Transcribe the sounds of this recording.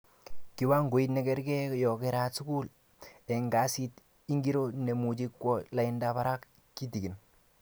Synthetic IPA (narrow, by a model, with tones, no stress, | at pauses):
ki˨wa˦ŋɡo˨i˦tnɛ˨kɛ˦ɾkɛ˦jɔ˨kɛ˦ɾatsu˦ku˦l | ɛ˨ŋɡa˨˦si˦t | i˦ŋɡi˦ɾo˦ne˨mu˨t͡ʃi˦kwɔ˦la˨i˦nda˦pa˦ɾa˦k | ki˦ti˨ki˨n